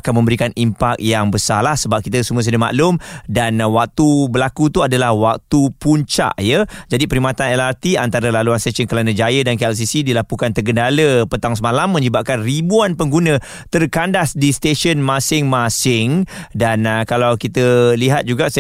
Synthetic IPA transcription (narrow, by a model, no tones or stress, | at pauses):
akanmə̃mbəɾikanimpak̚jaŋbəsarlahsəbap̚kit̪əsumũəs̬ədəma̰ʔlʊmdanwak̚t̪ubəlakut̪uadalahwak̚t̪upuɲt͡ʃa̰ʔjəd͡ʒadipəɾimat̪anɛlart̪iant̪aɾəlaluanst̪esənkəlanəd͡ʒajədankɛls̬isidilapukant̪ərɡəndaləpət̪aŋs̬əmalamːə̃ɲəbaʔ̚kanribuanpəŋɡunə̃ | t̪ərkandasdist̪eʃənmasɪŋmasɪŋdankalawkit̪əliɦat̪̚d͡ʒuɡa